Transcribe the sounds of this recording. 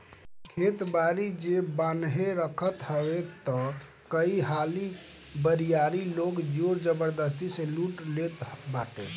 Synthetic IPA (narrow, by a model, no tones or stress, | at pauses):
kʰet̪baɾid͡ʒebanɦeɾəkʰət̪ɦəbet̪ɔ | kəiɦali | bəɾijaɾilokd͡ʒoɾd͡ʒəbəɾd̪əst̪isẽluʈlet̪baʈḛ